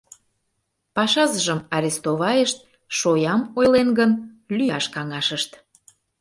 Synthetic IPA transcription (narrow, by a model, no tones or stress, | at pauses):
pɑʃɑzəʒəmɑɾʲest̪oβɑjəʃt̪̚ | ʃojɑmojlenɡən | lyɑʃkɑŋɑʃəʃt̪